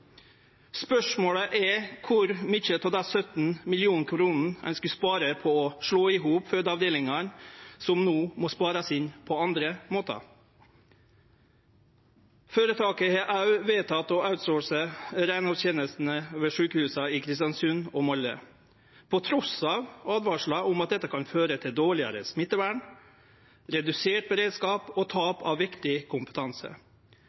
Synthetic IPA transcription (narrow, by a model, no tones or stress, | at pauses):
spœʂmoːɽəʔɛkʰʊɾmɪt͡ʃət̪ʰɔːd̪ɑsœt̪n̩mɪlɪuːnkʰɾuːnn̩ʔɛ̰nskʉspɑːɾəpʰɔɔʂɭoːɪɦuːpfød̪ɑʋd̪eːlɪŋɑnsɔmnoːmɔspɑːɾɑsɪnpʰɔɑnd̪ɾəmoːt̪ɑ̰ | føːɾət̪ʰɑːkəheʔɑʉʋeːt̪ʰɑt̪ɔːʔɑʉt̪soːsəɾæɪnɑtɛːnəst̪n̩əøːʋəʂʉːkəhʉːsɑɪkʰɾɪst̪jɑnsʉnoːmɔlːə̰ | pʰɔt̪ʰɾɔsɑːʋɑːd̪ʋɑːʂɭɑʔʊmɑt̪̚d̪ɛt̪ːəkʰɑnføːɾət̪ʰɪld̪oːɭɪɑ̰ɾə̰smɪt̪ːəʋæːɳ | ɾɛd̪ʉseːʈ̚bəɾeːd̪skɑːpoːt̪ʰɑːpɑːʋʋɪkt̪ɪkʰʊmpə̥t̪ʰɑnsə̰